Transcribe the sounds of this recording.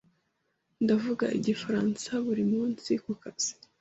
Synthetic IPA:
ndavuɡa̰ʔiɟifaɾansaβuɾimuːnsikukaz̥i̥

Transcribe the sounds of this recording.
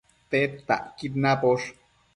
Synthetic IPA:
t̪ep̚t̪a̰ʔkit̪napoʂ

